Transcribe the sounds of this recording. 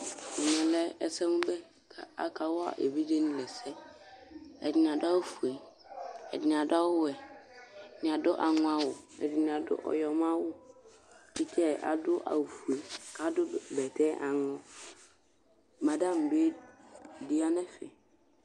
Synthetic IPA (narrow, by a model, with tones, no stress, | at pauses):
ɪ˨nɛ̃˨lɛ˦ɛ˨sɛ˦mʊ̃˦bɛ˦ | kʰa˨a̰˨kʰa˨wʊ˦a̰˨ʔe˨bi˦de˦nĩ˦lɛ˨sɛ˦ | ɛ̰˨dɪ˨n˨a˨dʊ˦a˦u˨fu˨e˨ | ɛ̰˨dɪ˨n˨a˨dʊ˦a˦wʊ˦ɛ˨ | nɪ̃˨a˨dʊ˦ʔa˨ŋʊ̃˦a˦wʊ˨ɛ̰˨dɪ˨n˨a˨dʊ̰˦ʔɔ̰˨jɔ˨m˦a˦wʊ˦ | i˦tʰɛ˦ʔa̰˨dʊ˦ʔa̰˨fu˨e˨kʰa˨˦dʊ˦bɛ˨tʰɛ˦ʔa˨nʊ̃˦ | mã˨dã˦m̩˨be˦ | di˦a˦nɛ̃˦fɪ˨